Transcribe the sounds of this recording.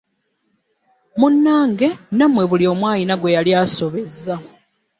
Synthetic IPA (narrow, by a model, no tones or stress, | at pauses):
munːaːŋɡe̞namwe̞βulio̞ːmwaːjinaɡwe̞jaljaːso̞βe̞zːa